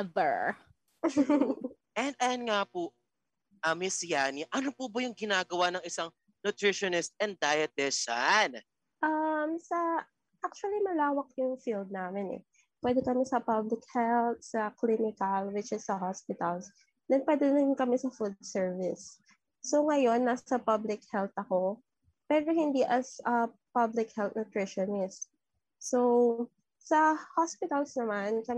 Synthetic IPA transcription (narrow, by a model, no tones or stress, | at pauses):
bɛ˞ | ʔɛnd̪ɐjɐnŋaːpʊʔ | ʔɐmɪsjaːniʔɐnopubɐjʊŋɡɪnaːɡɐwanɐŋɪsaŋ | nʊt̪ɾɪʃɔnɪst̪̚ɛnd̪̚d̪ajɐt̪ɛʃan | ʔɐmsɐ | ʔak̚t͡ʃʊɐlimɐlaːwɐk̚jʊŋfild̪̚naːmɛnɛ̰ | pwɛd̪ɛkɐmɛsɐpɐblɪk̚hɛlt̪̚sɐklinɪkɐlwɪt͡ʃɪsːɐɦospɪt̪ɐls | d̪ɛnpwɛd̪ɛɪnkɐmɛsɐfud̪sɛɹvɪsː | oŋɐjo̞nːɐsɐpɐblɪk̚hɛlt̪ɐko̞ | pɛɾohɪnd̪iʔɐsʔɐpɐblɪkhɛlt̪̚nʊt̪ɹɪʃonɪst̪ | so | sɐhospɪt̪ɐlsnɐmankɐ